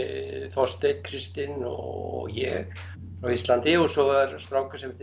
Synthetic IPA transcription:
θɔst̪ejkʰɾɪst̪ɪnɔ̰ɣjɛ̰ɣ | ɾawist̪lant̪ɪɔsɔɣðaɾst̪ɾawkḁsɛmɛ̥t̪

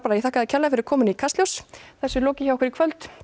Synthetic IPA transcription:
paɾajɛθaːhkaðɪcʰɛlafɪɾɪɾkʰɔːmʏnikʰast̪ljowsθɛsːʏloːwcɪçawɔhkvɪɾikʰvœlt̪

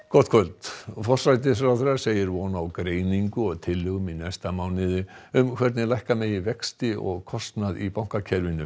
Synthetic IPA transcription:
kɔt̪kʰœlt̪fɔr̥sajt̪̬ɪs̬ɾaθɾaseːjɪɾvɔːnawkɾeːjniŋkʏɔɣt̪ʰɪlːʏɣʏmɪnajst̪amaːwnɪðɪʏmkʰv̥ɛɾt̪nɪlajhkamɛðivɛkst̪ɪʔɔ̰ɣkʰɔst̪naðipawŋ̥kacʰɛɾvɪnʏ

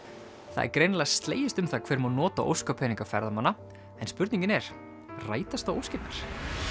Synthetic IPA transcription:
θa̰ðɛ̰ɾkɾejnlast̪leːjɪst̪ʏmθakʰvɛːɾmawnɔːt̪aʔo̰wskapʰɛːniŋkafɛ̰ɾðamanːa | ɛnspʏɾt̪nĩɲcɪnɛɾ̥ | ra̰ːjt̪ast̪awowscɪt̪naɾ̥

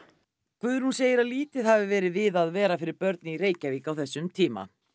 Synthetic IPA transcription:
kʰvʏðɪɾ̥hunseːjɪɾaliːt̪ɪðhavɪvɛːɾɪðvɪðaðvɛːɾafɪɾɪɾpœɾt̪̚nɪiɾeːjcaviːkawθɛsːʏmt̪ʰiːma̰

